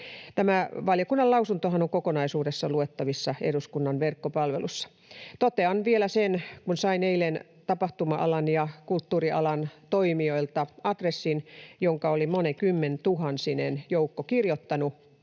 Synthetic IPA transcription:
t̪æmæʋɑljokunːɑlɑusunt̪ohɑnoŋkokonɑisuːdesːɑluet̪ːɑʋisːɑḛduskunːɑnʋerkːopɑlʋḛlusːɑ̥ | t̪ot̪eɑnʋielæsenkunsɑineilen | t̪ɑpɑht̪umɑʔɑ̰lɑnjɑkult̪ːuːriʔɑ̰lɑnt̪oimioilt̪ɑɑt̪resːinjoŋkɑolimonekymːent̪uɦɑnsinenjoukːokirjot̪ːɑnu

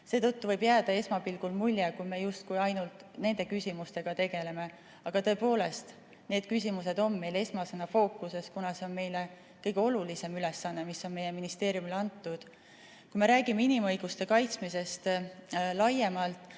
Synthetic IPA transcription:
se̞ːt̪ɤt̪ːuvɤjbjæːd̪̥ɑe̞smɑpilɡ̥ulmulʲjekujme̞just̪̚kujɑjnult̪ˑne̞nd̪e̞kysʲimust̪e̞ɡ̥ɑt̪e̞ɡ̥e̞le̞me̞ | ɑɡ̥ɑt̪ɤ̞e̞po̞ːle̞st̪ | ne̞ːd̪̥̚kys̬ʲimuse̞d̪o̞mːe̞jle̞smɑsenɑfo̞ːkˑːuse̞skunɑse̞o̞nme̞jle | kɤjɡ̥e̞o̞lulise̞mylesːɑnːemisːo̞nme̞je̞minist̪e̞ːɾjumilɑnt̪ːˑud̪̥ | kujme̞ɾæːɡ̥imeinimɤ̞jɡ̥ust̪e̞kɑjt̪smise̞st̪lɑje̞mɑlt̪ˑ

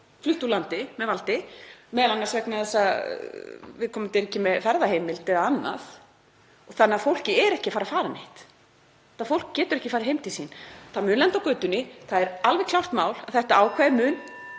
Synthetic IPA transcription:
flʏht̪ulant̪ɪmɛvalt̪ɪmɛːðlankasvɛknaθɛsːa | vɪðkʰɔːmʏmt̪ɪɾɛhcːɪmɛðfɛɾðaheːjmɪlt̪ʰɪðaanːa̰θ | ɔɣθanːɪafowl̥cɪɛɾɛhcɪafaːɾafaːɾanɪht̪ | aðfowl̥kcːɛːt̪ʏɾɛhcɪ̥faːɾɪhejmt̪ʰisiːnθamʏnlɛnt̪awkʏːt̪ʏnːɪθaðɛɾalvɛ̥kʰlawr̥t̪maːwlaðθɛht̪aaːwkʰvaɪmʏːn

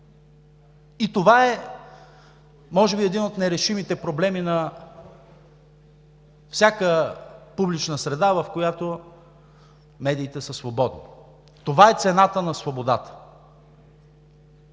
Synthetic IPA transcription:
it̪ovaɛ | mɔʒɛbiɛd̪inot̪nɛɾɛʃimit̪ɛpɾoblɛminɐ | fsʲakəpublit͡ʃnəsɾɛd̪avɐfkojat̪o | mɛd̪iːt̪ɛsəsvobɔd̪ni | t̪ovaɛt̪sɛnat̪ənɐsvobod̪at̪ə̥

